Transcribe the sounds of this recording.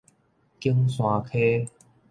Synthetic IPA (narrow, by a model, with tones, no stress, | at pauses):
ki˦əŋsw̃ã˨˧kʰe˦